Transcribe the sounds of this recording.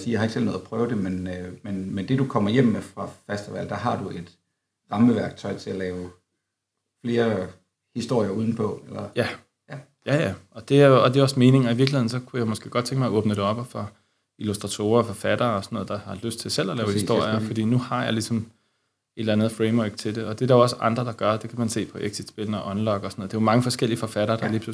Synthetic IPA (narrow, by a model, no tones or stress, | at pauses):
siːjɑhɑ̈e̝ɡ̥sel̰nɔð̩ˠɐpʰʁœːʊd̥e̝menmenmend̥e̝dukʰɒ̽m̰ɐjem̰əfʁɑ̈fæsd̥əʋæl̰d̥ɑɦɑ̈d̥ue̝d̥ | ʁɑ̈məʋæɐɡ̥̚t͡sʰɒ̽ɪt͡sʰe̝ælɛːʊ | fle̝ːɐ | hisd̥o̝ɐ̰jɐuːð̞ˠn̩pʰɒ̽elɐjæ | jæjæʔɒ̽d̥e̝æɐjo̝ɒ̽d̥e̝oɒ̽sme̝ːne̝ŋɒiʋiɐɡ̥lihe̝ðˠn̩sɒ̽kʰujamɒsɡ̥e̝̰ːɡɒ̽d̥̚t͡sʰeŋɡ̥əmɑɔ̽ːb̥nəd̥e̝ɒ̽b̥fɑ | ilusd̥ʁɑ̈t͡sʰo̝̰ːɐːfɒ̽fæd̥ɐːɒsɒnoːð̩ˠd̥ɑ̈hɑ̈løsd̥̚t͡sʰe̝lsel̰ælɛːʊhisd̥o̝ɐ̰jɐfɒd̥ḭːnuhɑ̈jɑ̈ɪlisɒ̽m | e̝ɾ̥lænð̩ˠfʁeɪmɔɡ̥t͡sʰe̝d̥e̝ɒ̽d̥e̝ɾ̥ɑ̈joɒ̽səʔɑ̈nd̥ʁɐd̥ɑ̈ɡ̥ɶɐd̥e̝kʰæmænse̝̰ːpʰɒ̽ʔeɡ̥sid̥sb̥e̝ln̩ɒʔɒ̽nlɒɡ̥ɒsɒnoːð̩ˠd̥ejomɑ̈ŋəfɒ̽sɡ̥el̰iəfɒ̽fæɾ̥ɐːd̥ɑliːpʰlu